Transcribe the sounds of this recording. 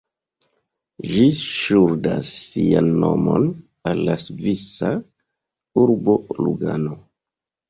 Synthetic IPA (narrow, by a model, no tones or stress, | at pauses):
ʒiʃuɾdasːianːomo̞n | alːasvisa | uɾbo̞luɡano